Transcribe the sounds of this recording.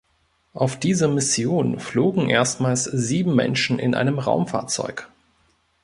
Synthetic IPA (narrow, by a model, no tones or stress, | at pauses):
ʔaʊfd̥iːzəmɪsjoːnfloːɡŋ̩ʔeːɐstmaːlsziːbm̩mɛ̰nʃn̩ʔɪ̰nʔa̰ɪnəmʁa̰ʊmfa̰ːɐt͡sɔ̰ʏk